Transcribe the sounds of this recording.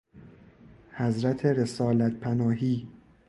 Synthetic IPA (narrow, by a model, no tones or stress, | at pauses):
hæzɾæt̪ʰeɾesɒːlæt̪pʰænɒːɦiː